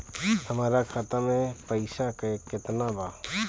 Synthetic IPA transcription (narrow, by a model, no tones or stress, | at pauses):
həmaːɾakʰat̪əmẽpəɪʃakəekɪt̪nabaː